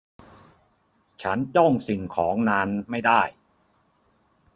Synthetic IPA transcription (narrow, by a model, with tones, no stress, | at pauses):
t͡ɕʰa˦˥nt͡ɕɔ˥˩ŋsi˨˩ŋkʰɔː˩˦ŋnaː˧nma˥˩jdaː˥˩j